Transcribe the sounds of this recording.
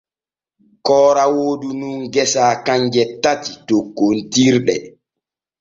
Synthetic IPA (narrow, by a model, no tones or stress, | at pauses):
kɔːɾawoːdunuŋɡɛsaːkaɲd͡ʒɛtatitokːontiɾɗɛ